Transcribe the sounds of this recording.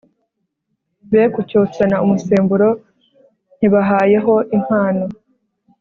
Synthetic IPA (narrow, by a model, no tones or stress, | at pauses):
βekucoːt͡sanaumuse̞ːmbuɾo̞ | n̥hiβaɦaːje̞ɦo̞ʔiŋ̥haːno